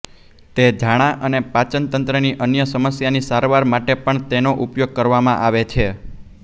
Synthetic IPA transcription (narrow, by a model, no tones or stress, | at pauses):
t̪ed͡ʒaɽ̃aʔənepat͡ʃənt̪ənt̪ɾəniʔənjəsəməsjanisaɾʋaɾmaʈepəɳt̪enoʔupjoɡ̚kəɾʋamãʔaʋet͡ʃʰe